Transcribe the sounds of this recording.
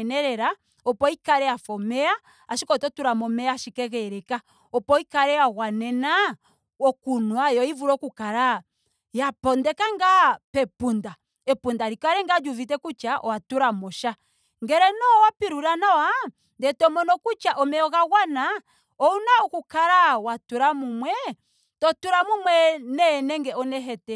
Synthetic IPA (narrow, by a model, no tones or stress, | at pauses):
nɛɾɛɾa | ɔpɔikaɾɛjafɔmɛa | aʃikɔtɔtuɾamɔmɛaʃikɛɣɛɾɛka | ɔpɔikaɾɛjaɣwanɛna | ɔkunwajɔivuɾɔkukaɾa | japɔndɛkaŋɡapɛpunda | ɛpundaɾikaɾɛŋɡad͡ʒuvitɛkut͡ʃaʔɔwatuɾamɔʃa | ŋɡɛɾɛnɔwapiɾuɾanawa | ndɛtɔmɔnɔkut͡ʃaʔɔmɛɔɣaɣwana | ɔunaukukaɾawatuɾamumwɛ | tɔtuɾamumwɛnɛnɛŋɡɛɔnɛɦɛtɛ